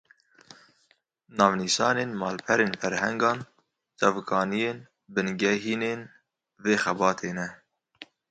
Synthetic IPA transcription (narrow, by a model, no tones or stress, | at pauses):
nɑːvniʃɑːneːnmɑːlpʰɛɾeːnfɛɾhɛŋɡɑːn | t͡ʃɑvkɑːnijeːn | bɨnɡɛɦiːneːn | veːxɛbɑːt̪ʰeːnɛ